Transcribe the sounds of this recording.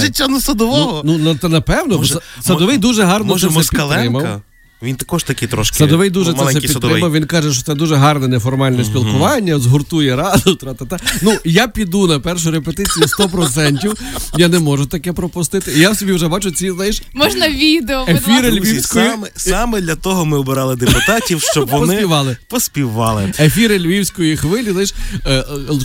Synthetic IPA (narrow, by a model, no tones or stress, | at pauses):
ʒɪtʲːanɐsɐd̪ɔʋɔɦɔnunɐt̪ɛnɐpɛwnɔsɐd̪ɔʋɪjd̪uʒɛɦɑrnɔɛɛpiɐlˠɾɪmɐwɐ̰ | ʋʲint̪ɐkɔʃt̪ɐkʲɪt̪ɾɔʃksɐd̪ɔʋɪjd̪uʒɛɛsɛpiɾɪmɐwʋʲinkɑʒɛʃtɔt̪sɛd̪uʒɛɦɑrnɛnɛfɔrmɑlʲnɛsʲpʲilˠkʊʋɑnʲːɐzɦʊrt̪ujɛɾɑd̪ʊt̪ɾɑt̪at̪ɛnujapʲid̪unɐpɛrʃʊɾepet̪ɪt͡sʲijst̪ɔpɾɔt̪sɛnʲtʲiwjanɛmɔʒʊt̪ɐkɛpɾɔpʊst̪ɪt̪ɪijawsʲɔbʲiwʒɛbɑt͡ʃʊt͡sʲiznajɛʃmɔʒnɐʋʲid̪eɔefʲiɾɪlʲʋʲiwsʲkɔjimɛsɑmɛd̪lʲɐt̪ɔɦɔmɪɔbɪɾɑlˠɪd̪epʊt̪ɑtʲiwʃʃt͡ʃɔbʋɔɔsnɪpiʋɑlˠɪpɔsʲpʲiʋɑ̰lˠɪefʲiɾɪlʲʋʲiwsʲkɔjixʋɪlʲizajʃˠ